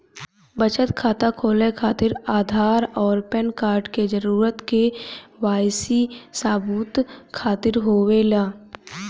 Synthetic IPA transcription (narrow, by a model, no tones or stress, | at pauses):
bət͡ʃət̪kʰaːt̪akʰoːlekʰaːt̪ɪɾaːd̪ʱaːɾɔːɾpɛnkaːɾʈked͡ʒəɾuːɾət̪keʋaːjsisaːbuːt̪kʰaːt̪ɪɾɦoːwelaː